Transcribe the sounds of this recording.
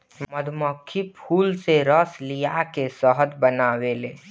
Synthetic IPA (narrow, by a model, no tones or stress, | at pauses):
məd̪ʱmɔkʰːipʰuːlseɾəslijakesəɦəd̪bənaːweleː